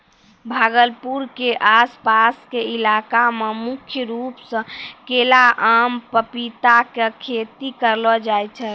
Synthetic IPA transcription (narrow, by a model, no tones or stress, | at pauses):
bʱaɡəlpuɾkeʔaspaskeilakamemukʰjəɾupsə̃kelaʔampəpit̪akekʰet̪ikəɾlɔd͡ʒajt͡ʃʰɛ